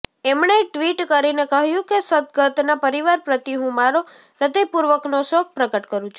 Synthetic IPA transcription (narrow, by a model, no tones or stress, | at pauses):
emɳeʈʋiʈkəɾinekəɦjũkesəd̪̚ɡət̪napəɾiʋaɾpɾət̪iɦũmaɾo | ɾəd̪əjpuɾʋəknosok̚pɾəɡəʈkəɾũt͡ʃʰu